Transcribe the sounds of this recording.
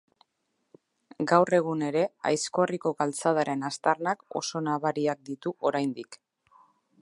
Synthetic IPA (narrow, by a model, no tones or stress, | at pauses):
ɡawre̞ɣ̞une̞ɾe̞a̰jsko̞riko̞ɣalt͡sað̞aɾe̞nast̪arnako̞̰so̞naβaɾiak̚d̪it̪uʔo̞ɾajnd̪ik